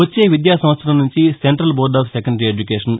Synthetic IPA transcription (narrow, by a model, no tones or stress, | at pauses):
ʋɐt͡ʃːeːʋid̪jaːsɐ̃mɐt̪sʰɾɐlɐnuɲt͡ʃiseɳʈɾɐlboːɾɖaːfsekɐɳɖɐɾieːd͡ʒukeːʂɐn